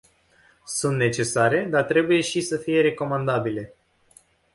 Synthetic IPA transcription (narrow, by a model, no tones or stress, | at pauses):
sunt̪ne̞t͡ʃe̞saɾe̞d̪art̪ɾe̞buje̞ʃisəfije̞ɾe̞ko̞mand̪abile̞